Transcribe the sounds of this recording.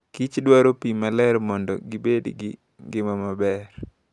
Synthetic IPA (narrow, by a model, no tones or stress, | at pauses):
kit͡ʃdwaɾopimalɛrmɔndɔ̰ɡibedɡɪ̰ | ɡɪmamabɛr